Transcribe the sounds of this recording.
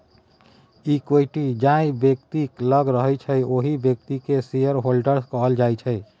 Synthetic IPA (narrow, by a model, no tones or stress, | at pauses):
ikoiʈid͡ʒaĩbjək̚t̪ikləɡɾəɦɛt͡ʃʰəjoɦibjək̚t̪ikesijəɾɦolɖəɾskəɦəld͡ʒajt͡ʃʰəj